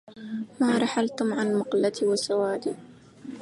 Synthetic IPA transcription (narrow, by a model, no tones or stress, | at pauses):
maːɾˤɑħalt̪ʊmʕanmʊqlat̪iwasawaːd̪iː